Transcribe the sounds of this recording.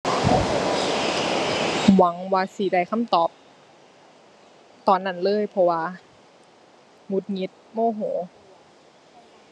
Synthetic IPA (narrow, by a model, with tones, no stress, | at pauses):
wa˨˦ŋwaː˧siː˨˩˦da˧˩jkʰa˧˥˨mt̪ɔː˨˩p̚ | t̪ɔː˨˩nːa˧˥˩nlɤː˧˥˨jpʰɔ˧waː˧ | ŋu˧˦t̪̚ŋi˧˦˥t̪̚moː˧˩˨ɦoː˩˦